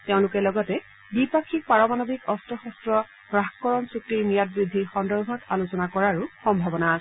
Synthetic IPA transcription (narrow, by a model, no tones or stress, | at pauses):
teʊ̃lʊkɛlɔɡɔtɛ | bipakʰik̚paɹɔmanɔbʱikɔstɔxɔstɹɔ | ɹaxkɔɹɔnsuk̚ɹiɹnijat̚bɹid̪ʱːixɔndɔɹbʱɔtalusɔnakɔɹaɹuxɔmbʱabɔnasɛ